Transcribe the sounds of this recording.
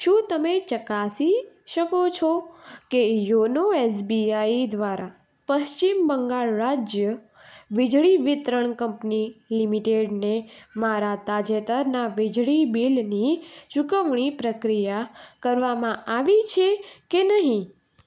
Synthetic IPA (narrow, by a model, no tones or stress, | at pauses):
ʃũt̪əmet͡ʃəkasiʃəkot͡ʃʰɔkejonoes̬biaid̪ʋaɾa | pəʃt͡ʃimbəŋɡaɭɾad͡ʒjə | ʋɪd͡ʒɭiʋɪt̪ɾəɳkəmpnilimiʈeɖnemaɾat̪ad͡ʒet̪əɾnaʋid͡ʒɭibilnit͡ʃukəʋɳ̃ipɾəkɾijakəɾʋamãaʋit͡ʃʰekenəɦĩ